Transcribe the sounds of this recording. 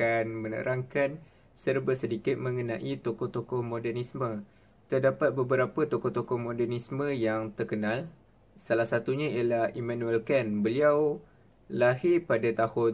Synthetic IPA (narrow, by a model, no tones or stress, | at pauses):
kanmə̃nə̰ɾʔaŋkan | sərbəsədikɪt̪̚mə̃ŋənãʔit̪okɔht̪okɔhmõdɛrnismə̃ | t̪ərdapat̪̚bəbəɾapət̪okɔht̪okɔhmõdɛrnismə̃jaŋt̪ərkənãl | salahsat̪uɲãialahimãnũɛlkɛnbəliaw | laɦipadat̪ahʊ